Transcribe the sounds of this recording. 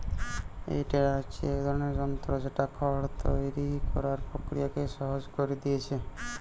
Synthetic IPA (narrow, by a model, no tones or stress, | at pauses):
ḛjʈeɽat͡ʃʰiɛkd̪ʱɔɾoneɾd͡ʒɔmt̪ɾɔd͡ʑeʈakʰɔɽt̪ojɾikɔɾaɾpɾokɾijakeʃɔɦod͡ʒkoɾid̪ijet͡ɕʰe